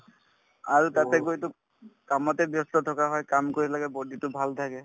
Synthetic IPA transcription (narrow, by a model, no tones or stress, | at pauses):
aɹutatɛɡojtʊ | kamɔtɛbjɔstɔtʰɔkaɦɔjkamkoɹilaɡɛboditʊbʱaltʰakɛ